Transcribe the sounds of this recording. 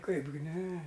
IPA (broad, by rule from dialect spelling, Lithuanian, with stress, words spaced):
ˈkɐɪbʲɡʲɪ ˈnʲɛ